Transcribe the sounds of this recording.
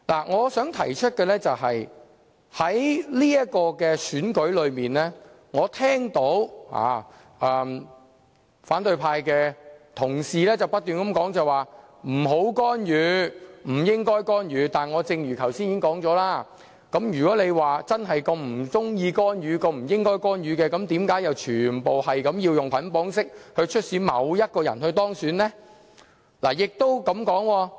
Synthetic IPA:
la̰ː˨˩ŋɔː˨˧sœː˨˥ŋt̪ʰɐ̰˨˩jt͡ʃʰɵ˥t̚kɛː˧lɛː˥t͡sɐ˨wɦɐ˨j | hɐ˨˦˥jliː˥jɐ˥t̚kɔː˧kɛː˧syː˨˥nkɵ˨˥ɥlɵ˨˧ɥmiː˨nlɛː˥ | ŋɔː˨˧t̪ʰɛː˥ŋt̪o˨˥wha̰ː˨˩ | ɛː˨˩m | faː˨˥nt̪ɵ˧ɥpʰaː˧jkɛː˧t̪ʰʊ˨˩ŋsiː˨lɛː˥t͡sɐ˨wpɐ˥t̪̚yː˨nkɐ˨˦mkɔː˨˥ŋt͡sɐ˨jwaː˨˩m̩˨˩ɦo˨˥wkɔː˥njyː˨˧m̩˨˩jɪ˥ŋkɔː˥jkɔː˥njyː˨˧t̪aː˨nŋɔː˨˧t͡sɪ˧ŋjyː˨˩kʰɐ˨˩wsiː˥niː˨˦˥ŋkɔː˨˥ŋt͡sɔː˨˥laː˥ | kɐ˨˥mjyː˨˩kɔː˨˥ne˨˧jwaː˨˩t͡sɐ˥nɦɐ˨jkɐ˧m̩˨˩t͡sʊ˥ŋjiː˧kɔː˥nɥyː˨˧kɔː˧m̩˨˩jɪ˥ŋkɔː˥jkɔː˥njyː˨˧kɛː˧kɐ˨˥mt̪iː˨˥mkaː˨˥jɐ˨wt͡ʃʰyː˨˩npo˨whɐ˨jkɐ˨˥mjiː˧wjʊ˨ŋpʰɐ˨˥npɔː˨˥ŋsɪ˥k̚hɵ˧t͡ʃʰɵ˥t̚siː˨˥mɐ̰˨˧wjɐ˥t̚kɔː˧jɐ̰˨˩nhɵ˧ɥt̪ɔː˥ŋsyː˨˥nɛː˥ | la̰ː˨˩jɪ˨k̚t̪o˥wkɐ˨˧mkɔː˨˥ŋwɔː˧

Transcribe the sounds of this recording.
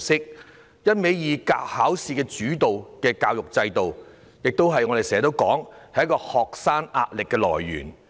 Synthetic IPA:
sɪ˥k̚ | jɐ˥t̚me˨˥jjiː˨˧ka̰ː˧whaː˨˥wsiː˨˧kɛː˧t͡ʃyː˨˥t̪o˨wkɛː˧kaː˧wjʊ˨k̚t͡sɐ˧jt̪o˨w | jɪ˨k̚t̪o˥wɦɐ˨jŋɔ˨˧ɾe˨˩jsɛː˨˩˨a˨t̪o˥wkɔː˨˥ŋhɐ˨jɐ˥kɔː˧hɔː˨k̚saː˥na̰ː˧t̚lɪ˨kːɛː˧lɔ̰ː˨˩jːy̰ː˨˩n

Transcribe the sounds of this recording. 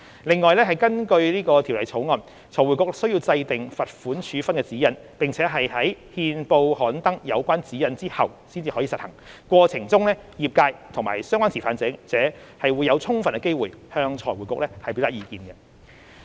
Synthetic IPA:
lɪ˨ŋːɔː˨jlɛː˥ɦɐ˨jkɐ˥nkɵ˧ɥliː˥kɔː˧t̪ʰi˨˩wlɐ̰˨jt͡sʰo˨˥wŋɔ˨˧n | t͡sʰɔː˨˩wu˨˩kʊ˨k̚sɵ˥ɥji˧wt͡sɐ˧jt̪ɪ˨ŋfɐ˨t̚fuː˨˥nt͡ʃʰyː˨˥fɐ˥nkɛː˧t͡siː˨˥jɐ˨˧n | pɪ˨ŋt͡sʰɛː˨˥ɦɐ˨jɦɐ˨˥jhiː˧npo˧whɔː˨˥nt̪ɐ˥ŋjɐ˨˧wkʷaː˥nt͡siː˨˥jɐ˨˧nt͡siː˥hɐ̰˨wsi˥nt͡siː˧hɔː˨˥jiː˨˧sɐ˨t̚hɐ̰˨˩ŋkʷwɔː˧t͡sʰɪ˨˩ŋt͡sʊ˥ŋlɛː˥jiː˨p̚kaː˧jt̪ʰʊ˨˩ŋmaː˨˩jsœː˥ŋʷaː˥nt͡sʰi˨˩faː˨˧nt͡sɛː˨˧˥t͡sɛː˨˥hɐ˨jwuː˨˧jːɐ˨˧wt͡sʰʊ˥ŋfɐ˨nkɛ˧ke˥jwuː˨jhœː˧ŋt͡sʰɔ̰ː˨˩jwuː˨˩jkʊ˨k̚lɛː˥hɐ˨˩jpe˨˧˥wt̪a˥iː˧kiː˨˧nɡɛ˧

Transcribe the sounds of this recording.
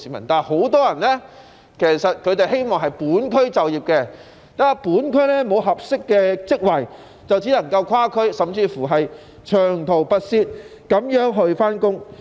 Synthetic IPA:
siː˨˥mɐ˨˩nt̪aː˨nho˨˥wt̪ɔː˥jɐ˨˩nlɛː˥ | kʰe˨˩jsɐ˨t̚kʰɵ˨˧ɥt̪e˨jɦe˥jmɔː˨ŋɦɐ˨jpuː˨˥nkʰɵ˥ɥt͡sɐ˨wjiː˨˩p̚kɛ˧ | t̪aː˥˨˥puː˨˥nkʰɵ˥ɥlɛː˥mo˨˧wɦɐ˨p̚sɪ˥kːɛː˧t͡sɪ˥k̚wɐ˨j | t͡sɐ˨wt͡siː˨˥lɐ˨˩ŋkɐ˧wkʰwaː˥kʰɵ˥ɥsɐ˨mt͡siː˧fu˨˩ɦɐ˨j | t͡ʃʰœː˨˩ŋt̪ʰo˨˩wpɐ˧t̚siː˧t̚kɐ˨˥mjœː˨˥ŋɦɵ˧ɥfaː˥nkʊ˥ŋ

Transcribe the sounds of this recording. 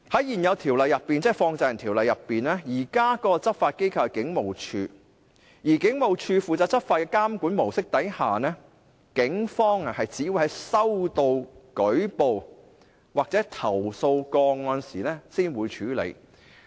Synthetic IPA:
hɐ˨˥jiː˨˩njɐ˨˧wt̪ʰiː˨˩wlɐ˨jːɐ˨pːiː˨nt͡sɛː˥˩fɔː˧ŋt͡sɛ˧jɐ˨˩nt̪ʰiː˨˩wlɐ˨jːɐ˨pːiː˨nɛː˥jiː˨˩kaː˥kɔː˧t͡sɐ˥p̚faː˧t̚ke˥jkʰɐ˨˧wkɪ˨˥ŋmo˨˩wt͡ʃʰyː˧ | jiː˨˩kɪ˨˥ŋmo˨wt͡ʃʰyː˧fuː˨t͡saː˧t̚t͡sɐ˥p̚faː˧t̚kɛː˧kaː˥mkuː˨˥nmo˨˩wsɪ˥k̚t̪ɐ˨˥jhaː˨nɛː˥ | kɪ˨˥ŋfɔː˥ŋɐ˨hɐ˨jt͡siː˨˥juː˧˥hɐ˨˥jsɐ˥wt̪o˧wkɵ˨˥ɥpo˨w | waː˨k̚t͡sɛː˨˥t̪ʰɐ˨˩wso˧wkɔː˧ŋɔː˧nsiː˨˩nɛː˥siː˥nwuː˨˧jt͡ʃʰyː˨˥lḛ˨˧j

